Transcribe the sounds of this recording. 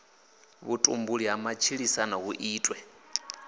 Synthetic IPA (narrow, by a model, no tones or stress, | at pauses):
βutʼṵmbuɺiɦamat͡ʃʰiɺisanaɦuʔiːtʼwɛ